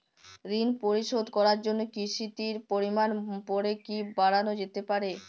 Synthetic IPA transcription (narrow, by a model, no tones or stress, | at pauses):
ɾinpoɾiʃod̪kɔɾaɾd͡ʑonːokiʃit̪iɾpoɾimanpɔɾekibaɽanod͡ʑet̪epaɾe